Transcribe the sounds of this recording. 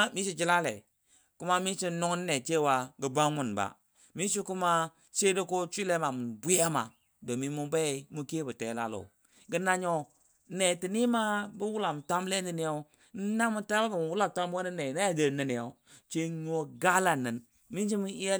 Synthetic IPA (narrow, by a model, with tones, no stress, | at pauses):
mi˦si˦d͡ʒi˦la˦lḛ˨ | ku˦ma˦mi˦t͡ʃi˦nu˦ŋ˦n˦ne˨t͡ʃe˦˨wa˨ɡə˨ba˦ŋmu˨nba̰˨ | mi˦si˦ku˦ma˦ | se˦do˦ko˦t͡ʃʷi˦le˦ma˨mu˨n˨bu˦ja˦ma̰˨ | do˨mi˦mu˦be˦˨˦mu˦ke˦bu˨tḛ˨˦la̰˦lo̰˨ | ɡə˦na˦ɲo˦ | ne˨ti˨ni˦ma˦bu˦wu˦la˨m˨tʷa˦mle˦n˦di˦ni˨˦jo˦ | n̩˦na˦mu˦ta˦ba˦bi˨m˨wu˦la˦˨ta˦m˦o˦ni˦ne˨na˦ja˦˨də˨ni˨ni˨o˨˦ | t͡ʃe˦ɲ˦o˦ɡa˦la˨nɨ˨n | mi˦nt͡ʃi˦mu˦i˦ja˦